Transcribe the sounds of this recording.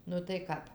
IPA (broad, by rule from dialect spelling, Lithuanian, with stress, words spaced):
ˈnʊ tɐɪ ˈkɐp